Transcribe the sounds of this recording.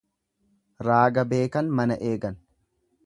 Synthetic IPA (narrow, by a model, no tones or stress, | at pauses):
ɾaːɡɐbe̞ːkɐnmɐnɐʔe̞ːɡɐn